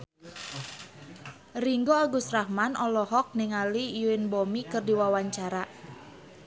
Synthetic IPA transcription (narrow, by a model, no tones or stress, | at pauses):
riŋɡoaɡust̪rahmanʔɔlɔɦɔk̚nɪŋalijuɪnbomikɨrdiwawaɲt͡ʃaɾa